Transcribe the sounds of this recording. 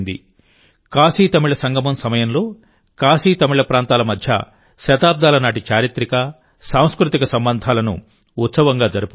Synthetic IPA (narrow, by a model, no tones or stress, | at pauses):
nd̪ḭ | kaːsiːt̪ɐmiɭɐsɐŋɡʱɐmɐmsɐmɐjɐmlo̞ː | kaːsiːt̪ɐmiɭɐpɾaːnt̪aːlɐmɐd̪ʱjɐ̰ | ʃɐt̪aːb̚d̪aːlɐnaːʈit͡ʃaːɾit̪ɾikɐ | saːw̃skɾut̪ikɐsɐmbɐnd̪ʱaːlɐnṵ | ut̪sɐʋɐŋɡaːd͡ʒɐɾupu